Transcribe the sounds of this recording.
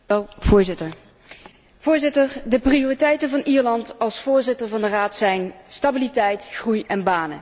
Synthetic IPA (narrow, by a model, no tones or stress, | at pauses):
ɛlˠvʊːɹzɪtəɹ | v̥ʊːɹzɪtəɹdəprioːritɛjtənvɑnʔiːɹlɑntɑlˠsfʊːɹzɪtəɹvɑndəraːtsɛjnstabilitɛjtχrujʔɛnbaːnə̰